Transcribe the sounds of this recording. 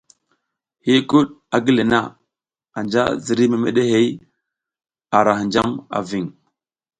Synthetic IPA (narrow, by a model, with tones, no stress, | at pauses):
hi˦ku˦ɗa˨ɡi˦le˨na̰˦ | a˨nd͡ʒa̰˦zi˨ɾi˦me˨mḛ˨ɗe˦ɦe˦j | a˨ɾa˨hi˨nd͡ʒa˦ma̰˨vi˨ŋ